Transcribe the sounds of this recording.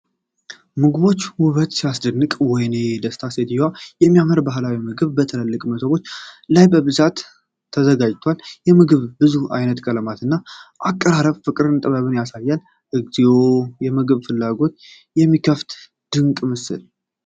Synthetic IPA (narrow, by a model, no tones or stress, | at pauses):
mɨɡɨβo̞t͡ʃːwʊβət̪sijasd̪ɨnːɨkʼwɔjne̞d̪əst̪ʰaset̪ʰiwajɛmːijaməɾbaɦlawimɨɡɨβbət̪ʰɨləlːɨkʼmət̪ʰəβo̞t͡ʃːlajbəβɨzat̪ʰː | əzəɡad͡ʒt̪ʰwaljɛmɨɡɨβbɨzua̰jnət̪kʼələmat̪ɨnːaʔakʼːəɾaɾəβfɨkʼɨɾɨnt̪ʼəβaβɨnjasajːal | ʔɨɡziwo̞jɛmɨɡɨβfɨlːaɡo̞t̪ | jɛmːikʰəft̪ | d̪̥ɨŋkʼmɨsɨ̰l